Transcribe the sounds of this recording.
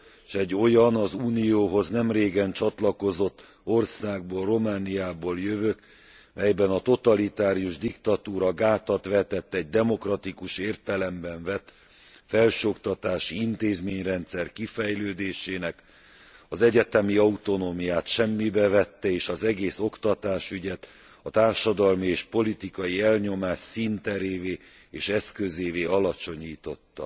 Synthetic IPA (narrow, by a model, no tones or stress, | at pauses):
ʃɛɟːo̞jɒnɒzuːnijoːɦo̞znɛmreːɡɛnt͡ʃɒt̪lɒko̞zo̞t̪ː | o̞rsaːɡ̚boːlro̞maːnijaːboːljøvøk | mɛjbɛnɒt̪o̞t̪ɒlit̪aːɾijuʒd̪ikt̪ɒt̪uːɾɒɡaːt̪ɒt̪ʋɛt̪ɛt̪ːɛɟ̚d̪ɛmo̞krɒt̪ikuʃeːrt̪ɛlɛmbɛɱvɛt̪ | fɛlʃøo̞kt̪ɒt̪aːʃiint̪eːzmeːɲrɛnt̪sɛrkifɛjløːd̪eːʃeːnɛk | ɒzɛɟɛt̪ɛmiɒut̪o̞noːmijaːt̪ʃɛmːibɛvɛt̪ːɛeːʃɒzɛɡeːso̞kt̪ɒt̪aːʃyɟɛt̪ | ɒt̪aːrʃɒd̪ɒlmieːʃpo̞lit̪ikɒjiɛlɲo̞maːʃsint̪ɛɾeːveː | eːʃɛskø̞zeːveːɒlɒt͡ʃo̞ɲiːt̪o̞t̪ːɒ̰